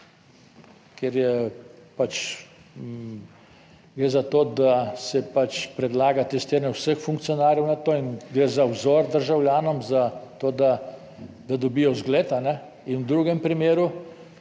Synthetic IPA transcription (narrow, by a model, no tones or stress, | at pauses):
kɛɾjɛpat͡ʃ | ɡɾeːzat̪oːd̪asɛpat͡ʃpɾɛd̪laːɡat̪ɛst̪eːɾnʲɛwsəxfuŋkt̪sijɔnaːɾjɛwnat̪oːinɡɾeːzawzoːɾd̪əɾʒawljaːnɔmzat̪oːd̪a | d̪ad̪ɔbiːjɔzɡleːt̪anɛ | inwd̪ɾuɡɛmpɾimeːɾu